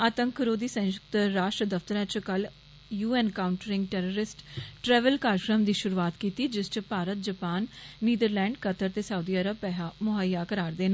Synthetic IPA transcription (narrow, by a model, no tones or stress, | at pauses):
aːt̪ə̃ŋkʰɾoːd̪iːsə̃ʃəkt̪ɾaːʃʈɾəd̪əft̪əɾɛ̃ːt͡ʃkəl | juːɛːnkaːʊɳʈəɾɪ̃ŋɡʈɛːɾoːɾɪsʈʈɾɛːʋəlkaːɾkɾəmd̪iːʃʊɾuaːt̪kiːt̪iːd͡ʒɪst͡ʃpaːɾət̪̚d͡ʒəpaːnːiːd̪əɾlɛ̃ːɳɖkət̪əɾt̪eːsauːd̪iːəɾəb̚pɛːɦaːmʊɦəjaːkəɾaːɾd̪eːn